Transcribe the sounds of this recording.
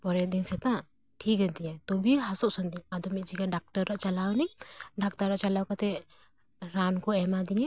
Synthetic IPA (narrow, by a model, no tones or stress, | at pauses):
pɔɾɛd̪insɛt̪ã | ʈʰik̚ɡɛnt̪ijɛ̃t̪ɔbʱiɦasɔʔsɔnd̪iad̪ɔmit̪̚d͡ʒikaɖak̚ʈaɾːaʔt͡ʃalawniɖak̚t̪aɾaʔt͡ʃalawkat̪ɛ | ɾankɔɛmad̪iɛ̃